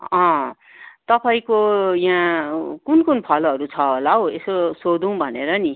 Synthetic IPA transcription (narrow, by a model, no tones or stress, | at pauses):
ʌ̃ | t̪ʌpaĩkojãkunkunpʰʌlʌɾut͡sʰʌɦolaɦoesosod̪ũw̃bʱʌneɾʌni